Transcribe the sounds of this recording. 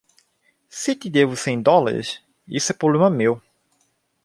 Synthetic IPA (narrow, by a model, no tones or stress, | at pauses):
sɪt̪id̪evʊsẽj̃d̪ɔla̰ɾḭs | isʊɛpɾoblẽmɐmew